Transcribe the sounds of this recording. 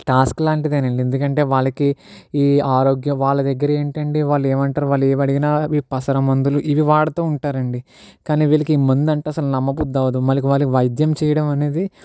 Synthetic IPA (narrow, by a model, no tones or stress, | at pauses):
ʈaːsklaːɳʈid̪eːnɐɳɖiend̪ukɐɳʈe̞ːʋaːɭɐkiː | aːɾo̞ːɡjɐʋaːɭːɐd̪ɛɡːɐɾɐeːɳʈɐɳɖiʋaːɭːeːmɐɳʈaːɾuʋaːɭːeːmɐɽiɡinaːʋipɐsɐɾɐmɐnd̪uluʔiʋiʋaːɭɐt̪o̞ːuɳʈaːɾɐɳɖi | kaːniːʋiːɭɐkiːmɐnd̪uɐɳʈeːɐsɐlunɐmːɐpud̪ːɐʋɐd̪umɐlːɐk̬iʋaːɭːɐkiʋɐjd̪jɐmt͡ʃɛːjɐɽɐmɐne̞ːd̪i